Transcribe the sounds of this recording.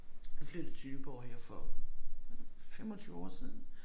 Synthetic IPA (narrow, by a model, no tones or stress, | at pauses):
mefle̝ːd̥ət͡sʰyːb̥əɒ̰ːjɑ̈fɒ | femɒt͡sʰyːʊɒ̰ːsiːðˠn̩